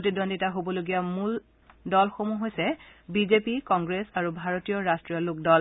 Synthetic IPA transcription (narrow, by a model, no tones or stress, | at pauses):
otidɔnditaɦobɔloɡijamul | dɔlxomuɦojsɛbizepikɔŋɡɹesaɹubʱaɹotijɔɹastɹijɔluk̚dɔl